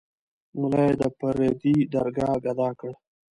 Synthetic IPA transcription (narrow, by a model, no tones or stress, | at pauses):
mʊlajed̪əpaɾed̪id̪aɾɡɑɡad̪ɑkəɽ